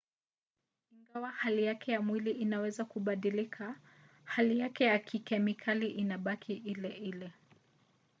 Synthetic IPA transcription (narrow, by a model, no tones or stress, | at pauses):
iŋɡawahalijakʰɛjamwiliʔinawɛzakuɓaɗilikʰa | halijakɛjakʰikɛmikʰaliʔinaɓakʰiʔilɛʔilɛ